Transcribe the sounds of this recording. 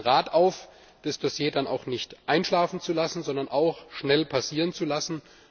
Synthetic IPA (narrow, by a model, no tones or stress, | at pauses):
ʁaːtʔaʊf | d̥asd̥osjeːdana̰ʊxnɪçtʔaɪnʃlaːfn̩t͡sulasn̩zɔndɐnʔaʊxʃnɛlpʰasiːʁənt͡sulasn̩